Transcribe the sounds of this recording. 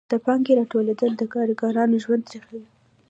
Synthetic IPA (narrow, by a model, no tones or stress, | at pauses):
d̪̥əpɑŋɡeɾɑʈoled̪əld̪əkɑɾiɡɑɾɑnoʒwand̪ɾexawi